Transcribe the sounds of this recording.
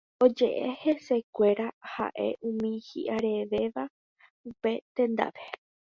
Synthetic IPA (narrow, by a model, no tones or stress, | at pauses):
o̞d͡ʒe̞ʔe̞he̞se̞kʷe̞ɾaha̰ʔe̞̰ʔũmĩhḭʔaɾe̞ʋe̞ʋa | upe̞t̪ẽ̞nd̪a̰ʋe